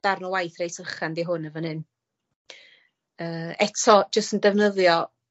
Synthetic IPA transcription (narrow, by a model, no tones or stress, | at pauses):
d̥arnɔwajθrejsərχandiɦʊnəvɔnɨn | əːɛtʰɔd͡ʒəstəndɛvnəðjɔ